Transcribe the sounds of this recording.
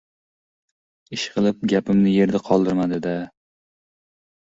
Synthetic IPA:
ɪʃqʰɨlˠɪp̚ɡʲapɪmnɪje̞ɾd̪aqʰɒlˠd̪ɪɾmad̪ɪd̪a

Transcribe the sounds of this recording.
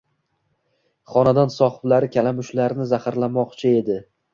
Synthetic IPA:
χɒnad̪ɒnsɒχɨblaɾɪkʲʰalamʊʃlaɾnɪzahaɾlamɒqt͡ʃʰɪe̞d̪ɪ

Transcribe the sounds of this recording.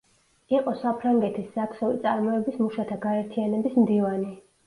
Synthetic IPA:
iqʼɔsapʰɾaŋɡɛt̪ʰisːak̪χɛlḭt̪sʼaɾmɔɛbismuʃat̪ʰaɡaɛɾt̪ʰianɛbismd̪ivani

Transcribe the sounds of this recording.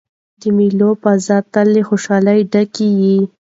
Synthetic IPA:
d̪əmilopazɑt̪alːexoʃɑlajɖakiji

